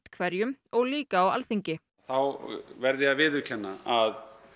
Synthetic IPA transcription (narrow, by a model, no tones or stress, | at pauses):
t̪kʰvɛɾjʏmɔɣliːkaːwa̰lθiɲcɪ | θawvɛɾðɪaðvɪðʏcʰɛnːaað